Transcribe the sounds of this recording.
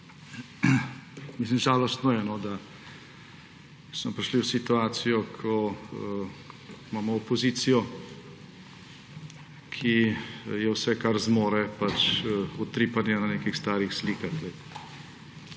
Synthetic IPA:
mis̬limʒaːlɔst̪nɔjɛnɔd̪a | smɔpɾiʃliwsit̪uaːt̪sijɔkʰɔ | maːmɔːpɔziːt̪sijɔ | kʰijɛwsɛkaɾzmoːɾɛpat͡ʃɔt̪ɾiːpanjɛnaneːkixst̪aːɾixsliːkaxlɛ

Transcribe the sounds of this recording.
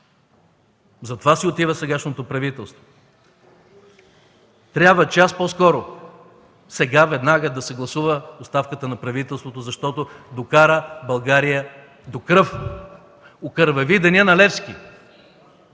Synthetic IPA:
zɐt̪ovasiot̪ivəsɛɡaʃnot̪opɾɐvit̪ɛlˠst̪vo | t̪ɾʲabvət͡ʃɛaspɔskɔɾʊ | sɛɡavɛd̪naɡəd̪ɐsɛɡlˠɐsuvəost̪afkət̪ənɐpɾɐvit̪ɛlˠst̪vot̪ozɐʃt̪ɔt̪od̪okaɾəbɐlˠɡaɾijə | d̪okɾəf | okəɾvɛvid̪ɐniənɐlɛfskʲi

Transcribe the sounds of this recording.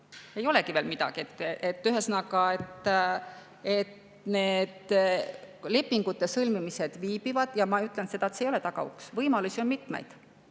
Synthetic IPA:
e̞jo̞lekive̞ːlmid̪ɑ̰ɡ̥iet̪ːˑʔet̪ːyɦesnɑkɑet̪ːˑ | e̞t̪ | ne̞ːd̪ | le̞pːiŋɡ̥ut̪ːe̞sɤlmimised̪̥viːb̥ivɑd̪̥jɑmɑyt̪ˑlent̪se̞d̪ɑet̪seje̞t̪ɑɡ̥ɑ̰ṵksvɤjmɑlusio̞nmit̪ˑmḛjd̪̥

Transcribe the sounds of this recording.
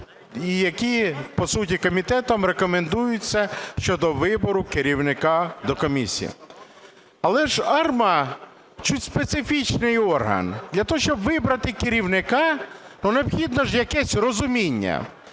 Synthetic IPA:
ijɐkʲipɔsutʲikɔmʲit̪ɛt̪ɔmrekɔmend̪ujʊt͡sʲːɐʃt͡ʃɔd̪ɔʋɪbɔɾʊkɪɾʲiwnɪkɑd̪ɔkɔmʲisʲḭjḭ | ɐlˠɛʒɑrmɐ | t͡ʃutʲspet̪sɪfʲit͡ʃnɪjɔrɦɐ̰nd̪lʲɐt̪ɔɦɔʃt͡ʃɔbʋɪbɾɐt̪ɪkɪɾʲiwnɪkɑ | nuneɔpxʲid̪nɔʒjɐkɛsʲrɔzʊmʲinʲːɐ̰

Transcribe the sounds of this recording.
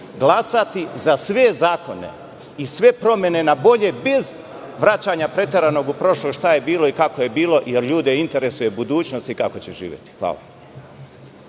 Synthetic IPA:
ɡlˠasat̪izasʋe̞zaːko̞ne̞̰ | isʋe̞pɾo̞mje̞ne̞nabo̞ʎe̞be̞z | ʋɾat͡ɕaːɲapɾe̞t̪e̞ɾano̞ɡupɾo̞ʃloɡʃt̪aje̞biːlˠo̞ikako̞je̞biːlˠo̞jeɾʎuːd̪eint̪e̞ɾe̞suje̞bud̪uːt͡ʃno̞st̪ikako̞t͡ɕeʒḭːʋjet̪i̥xʋa̰ːla̰

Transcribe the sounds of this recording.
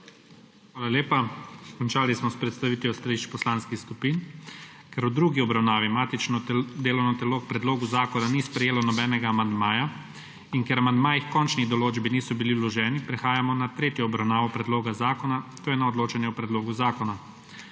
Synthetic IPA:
xʋʋaːlaleːpakɔnt͡ʃaːlismɔspɾɛt̪st̪aʋiːt̪jɔst̪aliʃt͡ʃpɔslaːnskixskupiːn | kɛɾud̪ɾuɡiɔbɾawnaːʋimaːt̪it͡ʃnɔd̪eːlɔwnɔt̪ɛloːk̚pɾɛd̪loːɡuzaːkɔnanispɾɛjeːlɔnɔbɛːnɛɡaːmand̪maːja | inkɛɾamand̪maːjixkɔnt͡ʃniɣd̪ɔloːd͡ʒbiniːsɔbiliwlɔʒɛːnipɾɛxaːjamɔnat̪ɾeːt̪jɔːbɾawnaːʋɔpɾɛd̪loːɡazaːkɔnat̪oːjɛnaɔd̪loːt͡ʃɛnjɛwpɾɛd̪loːɡuzaːkɔna

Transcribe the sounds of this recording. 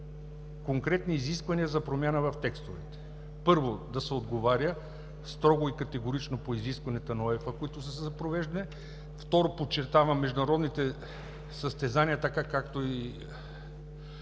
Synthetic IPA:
koŋkɾɛt̪niːziskvɐniəzɐpɾomʲjanəvɐft̪ɛkst̪ovɛt̪ɛ̥ | pɤɾvod̪ɐsɛod̪ɡovaɾjə | st̪ɾɔɡoikɐt̪ɛɡoɾit͡ʃnopoiziskvɐnɛt̪ənɔɛfəkoit̪ʊsəsɛzɐpɾovɛʒd̪ɐnɛ | ft̪ɔɾopott͡ʃːɛɾt̪avɐmːɛʒd̪ʊnɐɾɔd̪nit̪ɛ | səst̪ɛzaniət̪ɐkakakt̪oi

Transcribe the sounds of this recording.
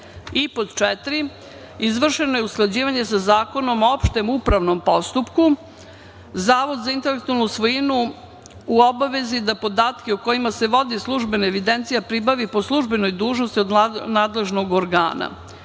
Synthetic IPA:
ipot̪t͡ʃɛt̪ɾi | izʋr̩ʃe̞no̞jeusklˠad͡ʑiːʋaɲe̞sazaːko̞no̞moopʃt̪e̞mupɾaʋno̞mpo̞st̪upku | zaːʋod̪zaint̪e̞lek̚t̪ualnusʋojinu | uobaʋe̞zid̪apo̞d̪aːt̪keuko̞imase̞ʋo̞d̪islˠuʒbenaeʋid̪e̞nt̪sijapɾibaʋipo̞slˠuʒbe̞no̞jd̪uːʒno̞st̪iod̪naːd̪le̞ʒno̞ɡoɾɡa̰ːna̰

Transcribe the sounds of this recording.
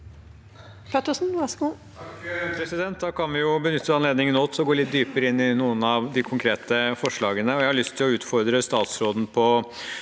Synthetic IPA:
pʰet̪əsn̩ʋæsu | pʰɾɛsɪd̪ɛnt̪̚d̪ɑːkʰɑnʋɪjʊbənʏt̪ʰːəɑnleːd̪nɪŋənɔt̪ːɔɡoːɭɪt̪̚d̪yːpəɾəɪnːɪnuːənɑʋd̪ɪkʰʊŋkʰɾeːt̪əfɔʂɭɑːɡənəɔjæɪhɑɭʏst̪ʰːɪlɔʉːt̪fɔɾd̪ɾəst̪ɑːt̪sɾoːd̪n̩pʰɔ

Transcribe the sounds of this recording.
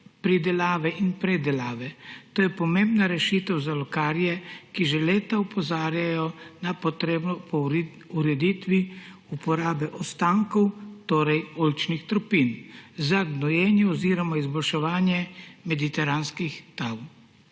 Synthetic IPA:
pɾid̪ɛlaːʋɛʔinpɾɛd̪ɛlaːʋɛt̪oːjɛpɔmẽmbnaɾɛʃit̪ɛwzalɔkaːɾjɛkiʒɛleːt̪aupɔzaːɾjajɔnapɔt̪ɾeːbnɔpɔ | uɾɛd̪iːt̪ʋi | upɔɾaːbɛʔɔst̪aːŋkɔwt̪oːɾɛjolt͡ʃnixt̪ɾɔpinzaɡnɔjɛːnjɛɔziːɾɔmɔizbɔlʃɛʋaːnjɛmɛd̪it̪ɛɾanskixt̪aw

